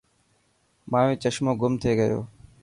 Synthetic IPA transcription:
mãːẽːt͡ʃəʃmoːɡʊmt̪ʰeːɡəjo̰ː

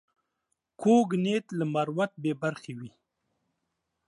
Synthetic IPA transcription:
kʰoɡnet̪lamaɾwat̪̚bebaɾxewi

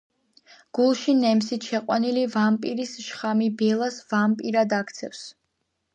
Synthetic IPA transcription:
ɡ̥ulˠʃinɛmsit̪ʃɛqʼwa̰nilivampʼiɾisʃχamibɛlˠasvampʼiɾad̪akʰt̪sʰɛ̰fs

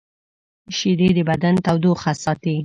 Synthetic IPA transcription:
ʃid̪ed̪əbad̪ant̪awd̪oxasɑt̪i

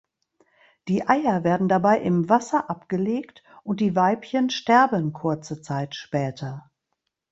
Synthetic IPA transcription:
d̥iːʔaɪɐveːɐdn̩dabaɪʔɪmvasɐʔapɡ̥əleːktʔʊnt̚d̥iːvaɪpçənʃtɛɐbənkʰʊɐt͡sət͡saɪtʃpɛːtʰɐ

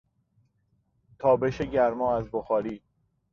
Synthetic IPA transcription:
t̪ʰɒːbeʃeɟæɾmɒːæzboxɒːɾiː

